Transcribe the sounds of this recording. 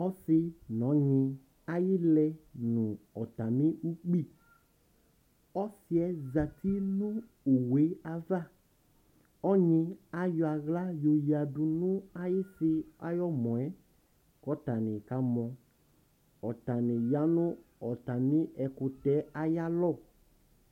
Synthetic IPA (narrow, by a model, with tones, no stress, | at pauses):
ɔ˦sɪ˧nɔ̃˨˦ɲɪ̃˧ | a˦jɪ˦lɛ˧nʊ̃˨ɔ˨ta˨mĩ˦u˦k͡pi˦˨ | ɔ˦sɪ˦ɛ˨˦za˨t̪ʰi˦nʊ̃˦ | u˨we˨˦a˨va˦˨ | ɔ˦ɲĩ˧a˦jɔ˧a˧ɣla˦jo˧ji˨a˨dʊ˧nʊ̃˦a˦jɪ˦sɪ˧a̰˦jɔ˦mɔ̃˨ɛ˦ | kɔ˦ta˨nɪ̃˨ka˨˦mɔ̃˧ | ɔ˨ta˨nɪ̃˨ja˦nʊ̃˦ɔ˨ta˨mĩ˦ɛ˧kʊ˧tɛ˨˦a˨ja˦lɔ˦˨